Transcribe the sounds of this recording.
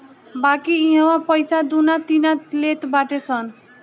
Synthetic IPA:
bakiĩɦʌwapʌjsad̪unat̪inalet̪baʈesʰʌn

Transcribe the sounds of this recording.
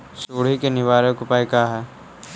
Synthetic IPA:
soːɽ̤ikenɪʋaːɾəkʊpaːikaːɦɛː

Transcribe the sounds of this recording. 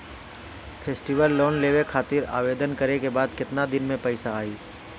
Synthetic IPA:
pʰeːsʈiʋəlːoːnleːʋekʰaːt̪ɪɾa̰ːʋeːd̪ənkəɾekebaːd̪kɪt̪nad̪ɪnmẽpəɪsaːiː

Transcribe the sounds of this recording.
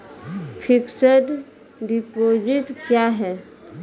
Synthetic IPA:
pʰiksəʈ | d̪ipod͡ʒit̪kjaɦɛ

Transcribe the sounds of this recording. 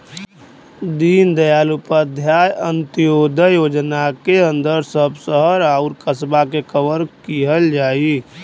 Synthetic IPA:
d̪iːnd̪əjaːlupəd̪ʱjaːjənt̪ijod̪əjod͡ʒnakeə̃nd̪əɾsəbsəɦəɾaʊɾkəsbakekʰəbəɾkiɦəld͡ʒaːi

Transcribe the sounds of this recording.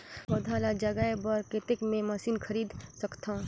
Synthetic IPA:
bɐd̪ʱaːlad͡ʒɐɡaebəɾket̪ɪkmẽmɐsiːnkʰɐɾiːd̪səkt̪ʰã

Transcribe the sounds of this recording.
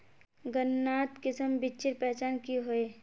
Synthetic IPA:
ɡənːaːt̪kɪsəmbɪt͡ʃɪɾpɛɦt͡ʃaːnkiɦoeː

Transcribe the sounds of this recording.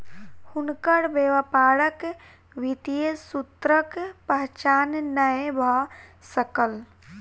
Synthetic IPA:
hʊnkəɽbeːʋəpaːɽək | ʋit̪ijesut̪ɾəkpəɦt͡ʃaːnnəebʱasəkəl

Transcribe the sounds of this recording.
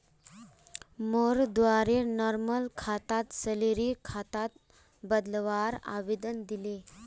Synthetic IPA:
moɾd̪ʋaɾenɔɾməlkʰat̪at̪səleɾikʰat̪at̪̚ | bəd̪lʋaɾa̰ʋed̪ənd̪ile

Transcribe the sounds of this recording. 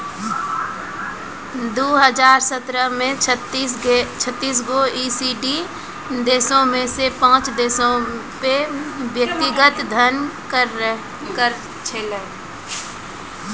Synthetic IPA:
d̪oːɦəd͡ʒaːɾsət̪ɾəɦmẽ | t͡ʃʰət̪ːiːs̬ɡoiːsiɖi | d̪eːsõmẽsepãːt͡ʃd̪eːsõpeʋjək̚t̪ɪɡət̪d̪ʱənkəɾ | k | t͡ʃʰ

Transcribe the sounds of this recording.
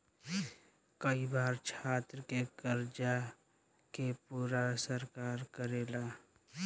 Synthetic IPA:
kəibaːɾt͡ʃʰaːt̪ɾəkekəɾd͡ʒa | kepuːɾasəɾkaːɾkəɾeːlaː

